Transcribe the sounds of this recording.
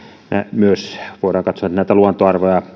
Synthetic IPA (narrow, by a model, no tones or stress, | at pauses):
nḛmyøsʋoˑiɾɑːŋkɑt̪soɑt̪næˑit̪æluɑnt̪oɑrʋojɑ